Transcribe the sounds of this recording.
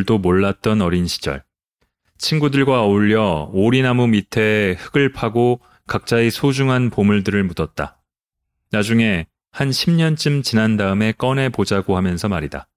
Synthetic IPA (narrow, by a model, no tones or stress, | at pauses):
ɭdomoɭːat̚t͈ʌnʌɾinɕʰi̥d͡ʑʌ̰ɭ | t͡ɕʰinɡudɯɭɡwauʎːʌoɾinamumitʰehɯɡɯɭpʰaɡo | kak̚t͡ɕ͈aisʰod͡ʑuŋɦanpomuɭdɯɾɯɭmudʌt̚t͈a̰ | nad͡ʑuŋe̞ | hanɕʰimɲʌnt͡ɕ͈ɯmt͡ɕinandaɯme̞k͈ʌne̞pod͡ʑaɡoɦhamjʌnsʰʌmaɾida